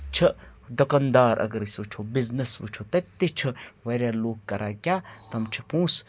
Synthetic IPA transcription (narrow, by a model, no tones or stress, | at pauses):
t͡ʃʰɐd̪ɐkɐnd̪aːɾʔɐ̰ɡɐɾisʋɨt͡ʃʰobiznɐsʋɨ̰t͡ʃʰot̪ɐt̪ːet͡ʃʰɨʋɐɾʲjaːloːkkːɐɾʔaːɡʲaːt̪ɐmt͡ʃʰɐpũːs